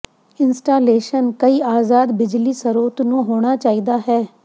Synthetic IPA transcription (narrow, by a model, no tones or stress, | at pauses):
ɪnsʈaːleːʃənkəiːaːzaːd̪bɪd͡ʒliːsəɾoːt̪nũːɦoːɽ̃aːt͡ʃaːiːd̪aːɦɛː